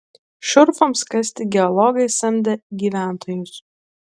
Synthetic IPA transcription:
ʃʊɾfɐmskɐsʲt̪ʲɪɡʲɛɔlˠɔɡɐɪsɛmʲd̪ʲɛɡʲiːʋʲæˑnt̪ʰoːjʊs

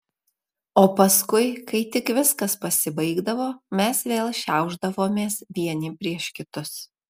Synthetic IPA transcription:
oːpɐskʊɪkɐɪt̪ʲɪkʋʲɪskɐspɐsʲɪbɐɪɡd̪ɐʋoːmʲɛsʋʲeːlˠʃʲɛˑʊʒd̪ɐʋoːmʲeːsʋʲiɛnʲɪpʲɾʲiɛʃkʲɪt̪ʊs

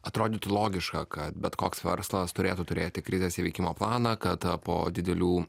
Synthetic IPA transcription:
ɐt̪ɾoːd̪ʲɪt̪ʊlˠoːɡʲɪʃkɐkɐt̪bʲɛt̪koːksʋʲɛ̰ɾslˠɐst̪ʊɾʲeːt̪ut̪ʊɾʲeːt̪ʲɪkɾʲɪzʲɛsʲɪʋʲɛɪkʲɪmoːplˠɑːnɑkɐt̪po̰ːd̪ʲɪd̪ʲɛlʲuː

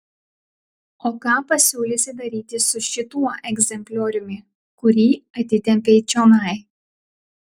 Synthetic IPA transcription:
oːkɑːpɐsʲuːlʲesʲɪd̪ɐɾʲiːt̪ʲɪsʊʃʲɪt̪uɔʔɛɡʲzʲɛmʲpʲlʲoːɾʲʊmʲɪ | kʊɾʲiːɐt̪ʲɪt̪ʲɛmʲpʲeːt͡ʃʲoːnɐɪ

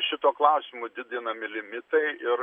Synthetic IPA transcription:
ʃʲɪt̪oːklˠɐʊsʲɪmʊd̪ʲɪd̪ʲɪnɐmʲɪlʲɪmʲɪt̪ɐɪʔɪɾ

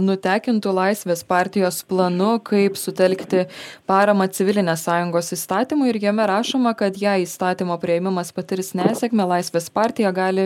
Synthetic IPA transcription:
nʊt̪ʲæːkʲɪnt̪ʊlˠɐɪsʲʋʲeːspɑːɾʲt̪ʲɪjoːsplˠɐnʊkʰɐɪpsʊt̪ʲɛlʲkt̪ʲɪpɑːɾɐmɐt͡s̪ʲɪʋʲɪlʲɪnʲeːssɑːjʊŋɡoːsist̪ɑːt̪ʲiːmʊɪɾjɛmʲɛɾɑːʃoːmɐkɐt̪jæːiːst̪ɑːt̪ʲiːmoːpʲɾʲɪɛmʲɪmɐspɐt̪ʲɪɾʲsnʲæːsʲɛkmʲɛlˠɐɪsʲʋʲeːspɑːɾʲt̪ʲɪjɛɡɑːlʲɪ

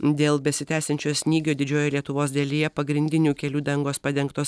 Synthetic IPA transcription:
d̪ʲeːlˠbʲɛsʲɪt̪ʲæːsʲɛnʲt͡ʃʲoːjsʲnʲiːɡʲoːd̪ʲɪd͡ʒʲoːjɛlʲiɛt̪ʊʋoːsd̪ʲɐlʲijɛpɐɡɾʲɪnʲd̪ʲɪnʲuːkʲɛlʲuːd̪ʲɛŋɡoːspɐd̪ʲɛŋkt̪oːs

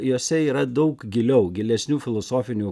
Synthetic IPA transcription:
joːsʲɛiːɾɐd̪ɐʊkɡʲɪlʲɛʊɡʲɪlʲɛsʲnʲuːfʲɪlˠosoːfʲɪnʲuː

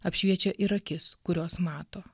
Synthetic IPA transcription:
ɐpʲʃʲʋʲiɛt͡ʃʲoʔɪɾɐkʲɪskʊɾʲoːsmɑːt̪oː

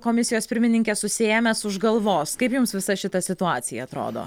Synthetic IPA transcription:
koːmʲɪsʲɪjoːspʲɪɾʲmʲɪnʲɪŋʲkʲeːsʊsʲeeːmʲɛsʊʒɡɐlˠʋoːskɐɪpjʊmsʋʲɪsɐʃʲɪt̪ɐsʲɪt̪ʊɑːt̪sʲɪjɛɐt̪ɾo̰ːd̪o̰ː

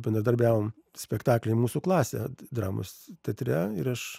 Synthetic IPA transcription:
bʲɛnd̪ɾɐd̪ɐɾʲbʲæːʋoːm | sʲpʲɛkt̪ɑːklʲɛɪmuːsuklˠɑːsʲɛ̰d̪ɾɑːmo̰st̪ʲɛt̪ʲɾʲɛɪɾɐʃ

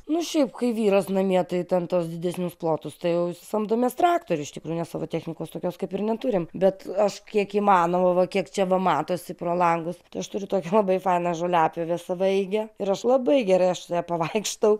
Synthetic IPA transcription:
nʊʃʲɛɪpkɐɪʋʲiːɾoːsnɐmʲiɛt̪ɐɪt̪ʲɛnt̪oːsd̪ʲɪd̪ʲæsʲnʲʊsplˠoːt̪ʊst̪ɐɪjɛʊɪsʲɪsɐmd̪oːmʲiɛst̪ɾɑːkt̪oːɾʲʊɪʃt̪ʲɪkɾuːjʊnʲɛsɑːʋoːt̪ʲæːxʲnʲɪkoːst̪oːkʲoːskɐɪpɪrnʲɛt̪ʊɾʲɪmbʲɛt̪ɐʃkʲiɛkiːmɑːnoːʋoʋɐkʲiɛkt͡ʃʲɛʋɐmɑːt̪oːsʲɪpɾoːlˠɐŋɡʊst̪ɐɪɐʃt̪ʊɾʲʊt̪oːkʲɛlˠɐbɐɪfɐɪnɑʒoːlʲɑːpʲeʋʲɛsɐʋɐɛɪɡʲɛɪɾɐʃlˠɐbɐɪɡʲɛɾɐɪɐʃɐjɛpɐʋɐɪkʃt̪ɐʊ

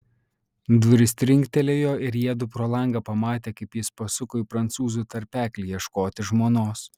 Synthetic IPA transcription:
d̪ʋʊɾʲɪsʲt̪ʲɾʲɪŋʲkʲt̪ʲɛlʲeːjoːɪɾjiɛd̪ʊpɾoːlˠɐŋɡɐpɐmɑːt̪ʲeːkɐɪpjɪspɐsʊkoːɪpɾɐnt̪suːzut̪ɐɾʲpʲæːklʲijiɛʃkoːt̪ʲɪʒmoːnoːs

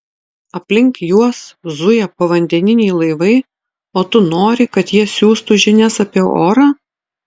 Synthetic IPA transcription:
ɐpʲlʲɪŋkjuɔszʊjɛpɐʋɐnʲd̪ʲɛnʲɪnʲɛɪlˠɐɪʋɐɪ | oːt̪ʊnoːɾʲɪkɐt̪jiɛsʲuːst̪ʊʒʲɪnʲɛsɐpʲiɛoːɾɑː

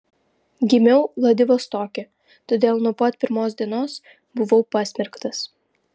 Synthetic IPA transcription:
ɡʲɪmʲɛʊlˠɐd̪ʲɪʋoːst̪oːkʲe | t̪oːd̪ʲeːlˠnuɔpɐt̪pʲɪɾmoːsʲd̪ʲiɛnoːs | bʊʋoʊpɑsʲmʲɛɾkt̪ɐs

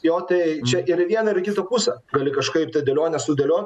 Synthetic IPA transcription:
joːt̪ɐɪt͡ʃʲɛʔɪɾɪʋʲiɛnɐɪɾkʲɪt̪oːpusʲɛɡɐlʲɪkɐʃkɐɪpt̪ɐd̪ʲɛlʲoːnʲɛsʊd̪ʲɛlʲoːtʲ

